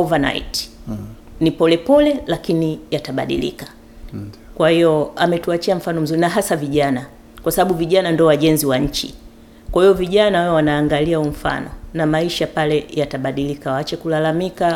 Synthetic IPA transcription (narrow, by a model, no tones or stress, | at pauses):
ɔvana̰ḭt | nipɔlɛpɔlɛlakinijataɓa̰ɗḭlḭkḁ | kwahiɔamɛtuat͡ʃiam̩fanɔm̩zuɾinaɦasaviʄana | kwasaɓaɓuviʄanandɔwaʄɛnziwaɲ̩t͡ʃḭ | kwahijɔviʄanawawɛwanaːŋɡaliaum̩fa̰nɔ̰namaiʃapalɛjataɓaɗilikawaat͡ʃɛkulalamika